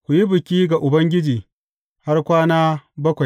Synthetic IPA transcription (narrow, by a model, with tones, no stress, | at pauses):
kʷu˨ji˦bɪ˨kʲiː˦ɡa˨ʔʊ˨bɐ˦ŋɡʲɪ˦d͡ʒiː˨ | ha˦rkʷaː˦naː˦bɐ˦kʷa˨j